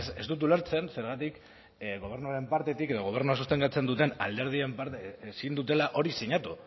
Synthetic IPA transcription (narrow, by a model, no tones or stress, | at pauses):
se̞zt̪ut̪̬ulaɾt͡se̞nse̞ɾɣ̞at̪ik | ɣo̞β̞e̞ɾnuaɾe̞mpaɾt̪e̞t̪ike̞ðo̞ɣ̞o̞β̞e̞ɾnuasust̪e̞ŋkat͡se̞nd̪ut̪e̞na̰ld̪e̞ɾð̞ie̞mpaɾesind̪ut̪̬e̞laʔo̞ɾisiɲat̪u